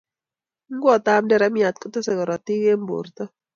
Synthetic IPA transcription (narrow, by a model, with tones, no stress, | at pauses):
ŋ˦ɡwɔ˨t̪a˦mdɛ˦ɾa˦mja˨t̪̚kɔ˦t̪ɔ˦sɛ˨ɡɔ˨ɾɔ˨t̪ɪ˦ɡe˦mbo̰˨rt̪ɔ˦